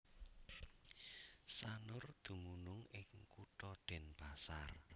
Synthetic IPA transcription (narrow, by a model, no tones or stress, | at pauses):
sanʊrd̪̥ṳmunʊŋɪŋkuʈɔɖ̪̥ɛ̤nb̥a̤sar